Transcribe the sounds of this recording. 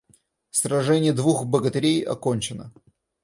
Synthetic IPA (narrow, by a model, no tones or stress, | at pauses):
sɾɐʐɛnʲɪjəd̪vuxbəɡət̪ɪɾʲejɐ̰konʲt͡ɕɪnə̰